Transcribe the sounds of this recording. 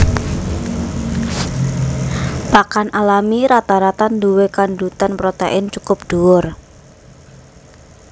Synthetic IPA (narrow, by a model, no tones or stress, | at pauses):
pakanʔalamiɾat̪aɾat̪anduwekandut̪anpɾot̪eʔɪnt͡ʃukʊp̚ɖ̪̥uwʊr